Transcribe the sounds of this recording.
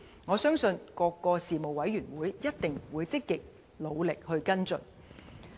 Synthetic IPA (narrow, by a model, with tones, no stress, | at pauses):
ŋɔː˨˧sœː˥ŋsɵ˧nkɔː˧kːɔː˧siː˨mo˨wɐ˨˥jɥyː˨˩nwuː˨˥jjɐ˥t̚t̪ɪ˨ŋwuː˨˧jt͡sɪ˥kːɪ˨k̚ | lo˨˧wlɪ˨k̚hɵ˧ɥkɐ˥nt͡sɵ̰˨n